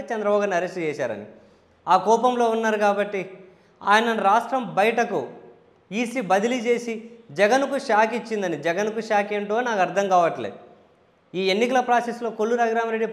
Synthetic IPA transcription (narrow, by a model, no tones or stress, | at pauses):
t͡ʃɐnd̪ɾɐbaːɡɐɾniɐɾesʈt͡ʃɛːʃa̰ːɾɐ̰nḭ | aːkɔːpɐmlo̞ːunːaːɾukaːbɐʈːi | a̰ːjɐnɐɾaːʂʈɾɐmbɐjɐʈɐku | iːsibɐd̪ilit͡ʃe̞ːsid͡ʒɛɡɐnkuʃaːkit͡ʃːind̪ɐnid͡ʒɛɡɐnkuʃaːkeɳʈonaːkɐɾd̪ʰʱɐŋkaːʋɐʈlḛː | iːe̞nːikɐlɐpɾaːseslo̞ːkolːuɾaːɡɾaːmɐɾeɖːip